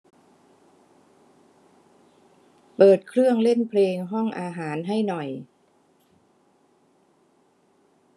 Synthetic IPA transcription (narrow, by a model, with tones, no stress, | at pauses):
pɤː˨˩t̪̚kʰɾɯ˥˩əŋle˥˩npʰleː˧ŋɦɔ˥˩ŋʔaː˧ɦaː˩˦nɦa˥˩jnɔ˨˩j